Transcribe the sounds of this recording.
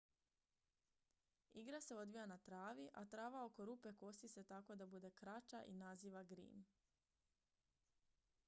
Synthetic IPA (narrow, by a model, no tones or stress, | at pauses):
iɡɾase̞o̞d̪ʋijanat̪ɾaːʋiʔa̰t̪ɾaːʋao̞ko̞ɾupe̞ko̞st̪iset̪ako̞d̪abud̪e̞kɾat͡ʃaʔḭnaziːʋaɡɾḭːm